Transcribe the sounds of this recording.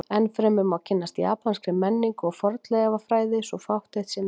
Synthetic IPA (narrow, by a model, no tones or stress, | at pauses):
ɛnfɾɛmʏmawcʰɪnːast̪ja̰ːpanskɾɪmɛnːiŋkɔɣfɔɾt̪lɛɣavafɾaːjðɪsɔɣfawht̪ɛjht̪sɛn